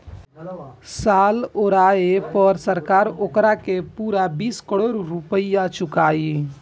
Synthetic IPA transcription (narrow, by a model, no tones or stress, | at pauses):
saːloɾaepəɾsəɾkaːɾokɾakepuːɾabiːskəɽoːɾɾupəjat͡ʃukai